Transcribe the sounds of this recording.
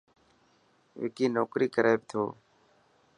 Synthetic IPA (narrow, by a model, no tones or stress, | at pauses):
ḛːkiːnoːkɾiːkəɾeːb̚t̪ʰoː